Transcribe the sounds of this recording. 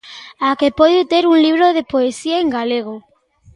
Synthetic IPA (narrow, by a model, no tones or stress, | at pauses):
akepoðjut̪eɾuŋliβɾoðepoesiaeŋɡaleɣ̞o